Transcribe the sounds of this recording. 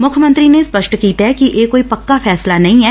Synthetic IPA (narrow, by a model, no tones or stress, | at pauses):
mʊkʰjəmə̃nt̪ɾinespəʃʈkiːt̪aɦɛkiʔeːkoːipɐkːapʰɛːslanɐɦĩːɦɛː